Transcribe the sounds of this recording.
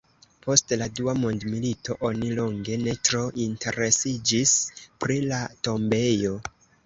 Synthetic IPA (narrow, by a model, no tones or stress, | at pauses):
po̞stladuamondmilito̞ʔo̞nilo̞ŋɡe̞ne̞tɾo̞ʔintʰe̞ɾe̞sid͡ʒispɾilato̞mbe̞jo̞